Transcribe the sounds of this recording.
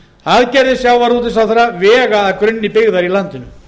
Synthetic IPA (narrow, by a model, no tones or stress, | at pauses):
aðcɛɾðɪsjawːaɾut̪ɪsawθaɾaʋɛːɣaːðkɾʏnːɪpɪɣðaɾilant̪ʏnʏ